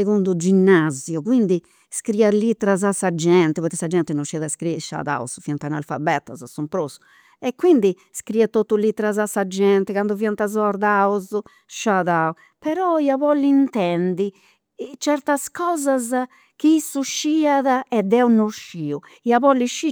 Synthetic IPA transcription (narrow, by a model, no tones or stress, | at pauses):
eɣund̪ud͡ʒinːazjukwind̪i | skɾiːalit̪ːɛɾazasad͡ʒɛnt̪ɛpɔɾt̪isad͡ʒɛnt̪ɛnoʃːiaðaskɾiʃa̰ða̰ṵsfiant̪ana̰lfa̰bɛt̪ːa̰zasumpɾosu̥ | ɛkːwind̪i | skɾiat̪ːot̪ːulit̪ːɛɾazasːad͡ʒɛnt̪ɛkand̪uviant̪azɔɾd̪auzu | ʃaðau | pɛɾɔiaβɔlːiint̪ɛnd̪i | t͡ʃɛɾt̪askɔːzaz | kiisːuʃːiaðaɛd̪ɛunoʃːiːu | iaβɔlːiʃi